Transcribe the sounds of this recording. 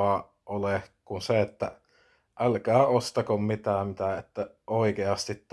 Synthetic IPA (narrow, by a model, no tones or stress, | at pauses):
ɑ | ʔolekunseet̪ːæ | ʔælkæːost̪ɑkommit̪æːmit̪æet̪ːæʔoˑikeɑst̪it̪t̪